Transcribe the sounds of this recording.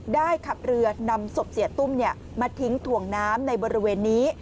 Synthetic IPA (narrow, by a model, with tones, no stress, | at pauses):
daː˥˩jkʰa˨˩p̚ɾɯ˧ɐna˧mso˨˩p̚si˨˩˦t̪u˥˩mni˥˩ɐ | maː˧t̪ʰi˦˥ŋt̪ʰu˨˩əŋnaː˦˥mna˧jbɔː˧ɾi˦˥weː˧nːiː˦˥